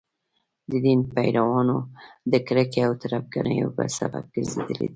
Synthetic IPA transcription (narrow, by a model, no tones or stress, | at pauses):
d̪əd̪inpajɾawɑnod̪əkɾəkeawt̪aɾafɡanə̰joba̰sa̰ba̰b̚ɡ̥əɾzed̪əlḛd̪i